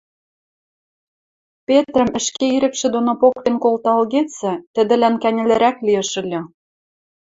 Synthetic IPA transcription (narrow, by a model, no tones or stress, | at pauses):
pʲet̪rə̆mə̆ʃkeiɾɘ̆kʃĕd̪onopokt̪enkolt̪ɑlɣet͡sɘ̆t̪ə̆d̪ɘ̆lænkænʲɘ̆lɘ̆ɾæklijə̆ʃə̆lʲɤ̆